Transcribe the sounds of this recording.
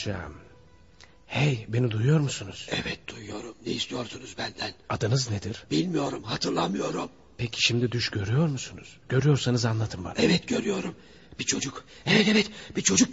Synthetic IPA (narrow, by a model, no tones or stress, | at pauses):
ʃa̰m | hɛjbenid̪ujujo̞ɾmusunuz̥ɛvɛt̪̚d̪̥ujujo̞ɾumnejist̪ijo̞ɾsunuzbænd̪ænad̪ɯnɯzned̪iɾ̥bilʲmijo̞ɾumɦat̪ʰɯɾlˠamɯjo̞ɾum | pʰecʰi̥ʃimd̪id̪yʃɟø̞ɾyjo̞ɾmusunṵz̥ɟ̥ø̞ɾyjo̞ɾsanɯzanlˠat̪ʰɯmba̰nɛvɛt̪ɟø̞ɾyjo̞ɾum | b̥it͡ʃʰo̞d͡ʒuk | ɛvɛt̪evɛt̪bit͡ʃʰo̞d͡ʒuk̚